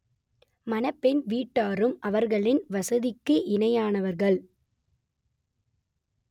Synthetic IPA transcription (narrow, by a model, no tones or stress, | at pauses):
mɐnɐpːɛnʋiːʈːaːɾɯmʔɐʋɐɾɣɐɭɪnʋɐsɐðɪkːɯʔɪnɐjaːnɐʋɐɾɣɐɭ